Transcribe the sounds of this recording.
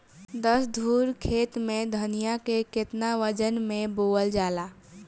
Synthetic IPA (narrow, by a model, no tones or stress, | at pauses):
d̪əsd̪ʱuːɾkʰeːt̪mẽd̪ʱənijakekɪt̪naʋəd͡ʒənmẽboːəld͡ʒaːlaː